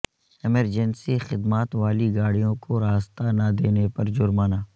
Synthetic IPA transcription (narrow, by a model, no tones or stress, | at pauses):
ɪməɾd͡ʒɛnsixɪd̪maːt̪ʋaːliɡaːɽijõkoɾaːst̪anad̪eːnepɐɾd͡ʒʊɾmaːnaː